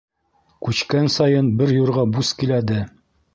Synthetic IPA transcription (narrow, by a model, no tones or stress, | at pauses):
kʉɕkænsɑjɤnbɘɾjuɾʁɑbuskilæd̪ɘ